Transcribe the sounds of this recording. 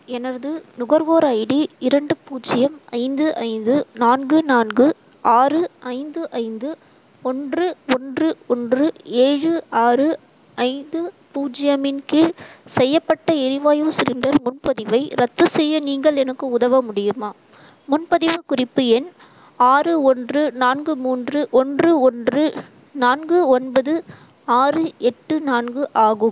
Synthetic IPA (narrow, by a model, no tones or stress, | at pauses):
ɛnɐɾðɯnʊɣɐɾʋoːɾaːjɪɽiɪɾɐɳɖɯpuːd͡ʒɪjɐmɐɪnd̪ɯʔɐ̰ɪnd̪ɯnaːnɡɯnaːnɡɯ | aːrɯʔɐɪnd̪ɯʔɐɪnd̪ɯ | ɔndrɯɔndrɯɔndrɯeːɻɯaːrɯ | ɐɪnd̪ɯ | puːd͡ʒɪjɐmɪnkɪɻsɛjːɐpːɐʈːɐɪɾɪʋaːjoːsɪɾɪnɖɐɾmʊnpɐðɪʋɐɪɾɐt̪ːɯsɛjːɐniːŋɡɐɭɛnɐkːɯʊðɐʋɐmʊɽɪjɯmaː | mʊnpɐðɪʋɐkʊrɪpːɯɛn | aːrɯɔndrɯnaːnɡɯmuːndrɯʔɔndrɯɔndrɯ | naːnɡɯɔnbɐðɯ | aːrɯɛʈːɯnaːnɡɯʔaːɣɯm